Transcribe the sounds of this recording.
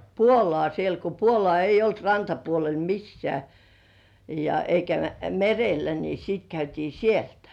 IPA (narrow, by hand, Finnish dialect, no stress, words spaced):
puolŏɑˑ sielt ko puolŏɑˑ eijˑ olt rɑntɑpuolel misːĕæˑ jɑ eikæ merelːæ ni siːt kæytiː sieltæ̥